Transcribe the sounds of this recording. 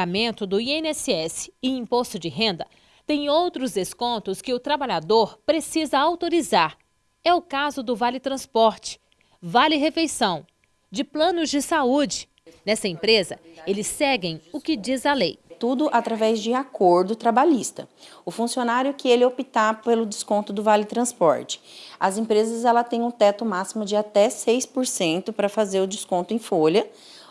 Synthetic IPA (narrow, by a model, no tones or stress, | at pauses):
amẽnt̪ʊd̪ʊienɛsɪɛsɪ̥ɪĩpost̪ʊd͡ʒɪɦẽnd̪ɐ | t̪ẽj̃owt̪ɾʊzd̪eskõnt̪ʊskɪʊt̪ɾabaʎad̪oɾpɾesizɐawt̪oɾizaɾ | ɛʊkazʊd̪ʊvalɪt̪ɾɐ̃spɔɾt͡ʃɪ̥ | valɪɦefejsɐ̃w̃ | d͡ʒɪplɐ̃nʊzd͡ʒɪsaud͡ʒɪ̥ | nɛsɐẽmpɾezɐelɪsːɛɡẽj̃ʊkɪd͡ʒizɐlejt̪ud̪ʊʔat̪ɾavɛzd͡ʒɪakoɾd̪ʊt̪ɾabaʎist̪ɐʊfũsionaɾjʊkɪelɪopit̪apelʊd͡ʒɪskõnt̪ʊd̪ʊvalɪt̪ɾɐ̃spɔ̰ɾt͡ʃɪ̥ɐzẽpɾezɐzɛlɐt̪ẽj̃ũt̪ɛt̪ʊmasimʊd͡ʒɪat̪ɛsejspoɾsẽnt̪ʊpɾɐfazeɾʊd͡ʒɪskõnt̪ʊẽj̃folɐ